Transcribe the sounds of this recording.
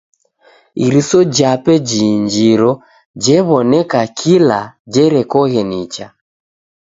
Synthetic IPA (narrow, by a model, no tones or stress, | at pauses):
iɾisɔd͡ʒapɛd͡ʒiɲd͡ʒiɾɔ | d͡ʒɛβɔnɛkakʰilad͡ʒɛɾɛkɔɣɛnit͡ʃa